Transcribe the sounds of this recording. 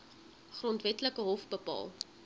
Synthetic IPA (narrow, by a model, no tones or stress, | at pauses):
χrɔntvɛtləkəɦɔfbəpɑ̰ːlˠ